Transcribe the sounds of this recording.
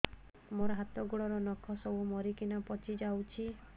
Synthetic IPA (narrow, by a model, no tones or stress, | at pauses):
moɾɔɦat̪ɔɡuɽɔɾɔnɔkʰɔsɔbumɔɾikinapɔt͡ʃʰid͡ʒawt͡ʃʰi